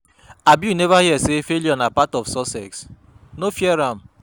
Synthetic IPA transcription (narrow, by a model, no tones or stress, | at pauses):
abjunevahiɛsefeljɔnapatɔfsɔsɛ̰ks | nofjɛɾam̩